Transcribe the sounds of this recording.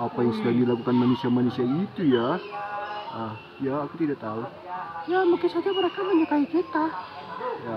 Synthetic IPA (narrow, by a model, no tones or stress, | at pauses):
apajaŋsəkalldilakukanmanusiamanusiait̪uja | ə | jaːkut̪idaʔt̪alah | jamukɪnsad͡ʒaməɾekaməɲukaikit̪a | ja